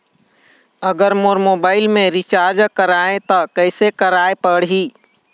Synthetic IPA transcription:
əɡəɾmoɾmobaːɪlmẽɾit͡ʃaɾd͡ʒkəɾaẽt̪əkəɪsekəɾaepəɽɦi

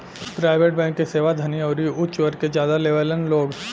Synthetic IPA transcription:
pɾaːɪʋeːʈ̚bɛ̃ːŋkːeseːʋad̪ʱɐniəʊɾiʊt͡ʃʋəɾked͡ʒjaːd̪aleːʋələnloːɡ

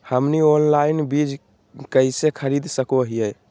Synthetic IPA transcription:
həmnionlainbid͡ʒ | kəisekʰəɾid̪ʱsəkoɦijəj

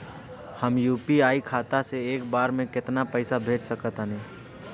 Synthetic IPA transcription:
həmjuːpiaːikʰaːt̪aseeːk̚baːɾmẽkɪt̪napəɪsabʱeːʈsəkət̪əneː

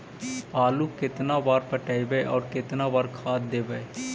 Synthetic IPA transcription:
aːlukɪt̪nabaːɾpəʈaːibeʔɔːɾkɪt̪nabaːɾkʰaːt̪̚d̪eːbəe

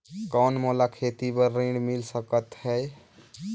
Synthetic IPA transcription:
kɔnmolakʰet̪ibəɾːĩɖmilsəkət̪ɦɛj

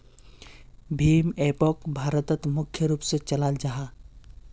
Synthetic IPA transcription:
bʱiːmepɔkbʱaːɾət̪ət̪mʊkʰjəɾuːpset͡ʃɐlaːld͡ʒaɦaː

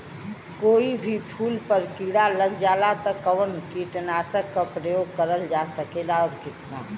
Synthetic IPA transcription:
koːibʱipʰuːlpəɾkiːɽaləɡd͡ʒaːlat̪ɔkəʋənkiʈənaːsəkːapɾəjoːɡ̚kəɾəld͡ʒasəkeːlaɔːɾkɪt̪na

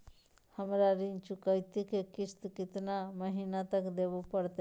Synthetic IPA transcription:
həmɾaɾint͡ʃukəjt̪ikekist̪kit̪naməɦinat̪əkd̪ebupəɾt̪e

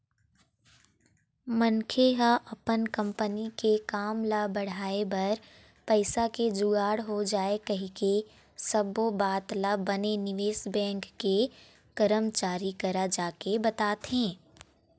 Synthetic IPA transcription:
mɐnkʰeɦaʔɐpənkɐ̃mpənikekaːmlabɐɽ̤aːebɐɾ | pɐɪsaked͡ʒʊɡaːɽɦod͡ʒaːekɐɦike | sɐbobaːt̪labɐnenɪʋeːsbɛ̃ːŋkːe | kəɾəmt͡ʃaːɾikɐɾad͡ʒaːkebɐt̪aːt̪ɦẽː

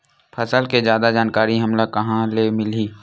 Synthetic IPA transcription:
pʰɐsəlked͡ʒjaːd̪ad͡ʒaːnkaːɾiɦɐmlakɐɦãlemɪliː

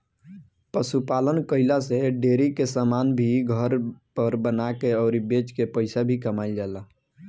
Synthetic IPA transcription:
pəsupalənkəɪlaseɖeːɾikesamanbʱiɡʱəɾpəɾbənakeɔːɾibet͡ʃkepəɪsabʱikəmaɪld͡ʒaːla

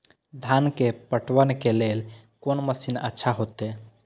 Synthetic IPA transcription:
d̪ʱankepəʈwənkelelkonməsinə̰tːʃʰaɦot̪e

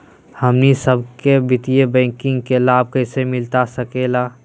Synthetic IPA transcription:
hɐmnisəbkebɪt̪ijebɛ̃ːkɪ̃ŋɡ̚kelaːb̚kəɪsemɪlt̪asəkelaː

